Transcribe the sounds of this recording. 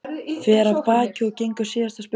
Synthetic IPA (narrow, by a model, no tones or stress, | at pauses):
fɛːɾavpaːcɪɔcejŋkʏsiːjast̪asp